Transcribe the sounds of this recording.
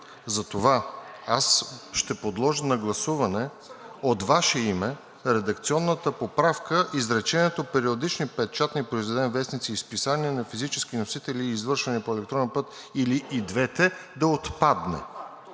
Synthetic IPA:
zɐt̪ovaasʃt̪ɛpod̪lˠɔʒənɐɡlˠɐsuvɐnɛ | ot̪vaʃɛimɛ | ɾɛd̪ɐk̚t̪siɔnːət̪əpopɾafkəʔizɾɛt͡ʃɛnɛt̪opɛɾiod̪it͡ʃnipɛt̪̚t͡ʃat̪nipɾoizvɛd̪ɛnvɛsnit̪siːspisaniɛnɐfizit͡ʃɛsk̟inosit̪ɛliːzvɤɾʃvɐnɛpoɛlɛk̚t̪ɾɔnɛnpɤt̪ | iliʔid̪vɛt̪ɛd̪ɐot̪pad̪nɛ̰

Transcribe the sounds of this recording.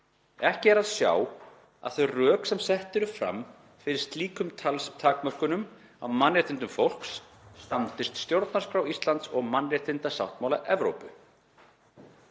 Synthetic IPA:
ɛhcɪɛɾaðsja̰w | a̰ðθœɥrœːksɛmsɛht̪ɪɾʏfɾa̰m | fɪɾɪɾ̥st̪liːkʏmt̪ʰalst̪ʰaːkmœr̥kʏnʏm | awmanrɛːt̪ɪnt̪ʏmfowl̥ksː | t̪ant̪ɪst̪st̪jowɾt̪nḁɾskɾawist̪lant̪sɔɣmanrɛt̪ɪnt̪asa̰wht̪mawlaʔɛvɾo̰wpʏ

